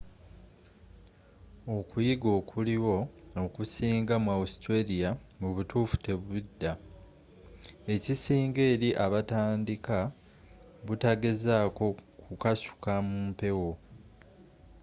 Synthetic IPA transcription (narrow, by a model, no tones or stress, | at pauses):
o̞kujiɡo̞ːkʰuliwo̞okusiːŋɡamwawustwe̞lijamuβutuːfu̥te̞βudːa | e̞cisiːŋɡe̞ːɾiʔaβataːndika | βutaɡe̞zaːko̞kukasu̥kamuːmpe̞wo̞